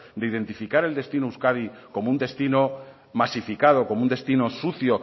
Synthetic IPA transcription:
d̪e̞iðe̞nt̪ifikaɾe̞ld̪e̞st̪inouskaðiko̞mound̪e̞st̪ino | masifikað̞o̞ko̞mound̪e̞st̪ino̞suθjo̞

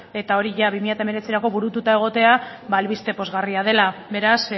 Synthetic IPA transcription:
e̞t̪ao̞ɾiʝaβimiʎat̪aeme̞ɾet͡siɾako̞βuɾut̪ut̪ae̞ɣ̞o̞t̪e̞abaːlβist̪e̞po̞zɣariað̞e̞labe̞ɾas

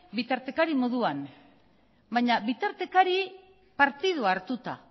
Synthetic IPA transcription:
bit̪aɾt̪e̞kaɾimo̞ðuan | baɲaβit̪aɾt̪e̞kaɾi | paɾt̪ið̞uaɾt̪ut̪a̰

